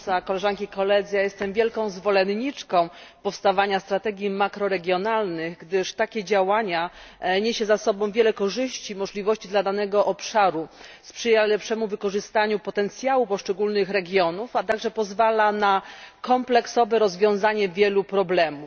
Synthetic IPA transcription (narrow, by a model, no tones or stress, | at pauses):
sakɔlɛʐankʲikɔlɛd̪zɘjajɛst̪ɛmvʲjɛlkɔ̃w̃zvɔlɛnɲit͡ʂkɔ̃w̃ | pɔfst̪avaɲast̪ɾat̪ɛɡʲjimakɾɔɾɛɡʲjɔnalnɘɣɡd̪ɘʂt̪akʲɛd͡ʑawaɲaɲeɕɛzasɔbɔ̃w̃vʲjɛlɛkɔʐɘɕt͡ɕimɔʐlʲivɔɕt͡ɕid̪lad̪anɛɡɔʔɔpʂaɾuspʂɘjalɛpʂɛmuvɘkɔʐɘst̪aɲupɔt̪ɛnt̪sʲjawupɔʂt͡ʂɛɡulnɘxɾɛɡʲjɔnufat̪aɡʐɛpɔzvalanakɔmplɛksɔvɛɾɔzvʲjɔ̃w̃zaɲɛvʲjɛlupɾɔblɛmu